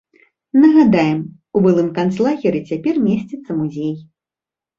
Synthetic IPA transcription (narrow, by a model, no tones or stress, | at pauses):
nɐɣad̪ajɛm | ubɨlˠɨmkant̪slˠaɣʲɛɾʲit͡sʲapʲɛrmʲesʲt͡sʲɛt̪sːɐmuzʲej